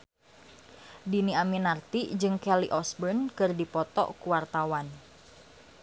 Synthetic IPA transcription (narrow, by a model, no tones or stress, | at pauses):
diniaminart̪id͡ʒɨŋkɛliʔɔsbənkɨrdipɔt̪ɔ̰kuwart̪awan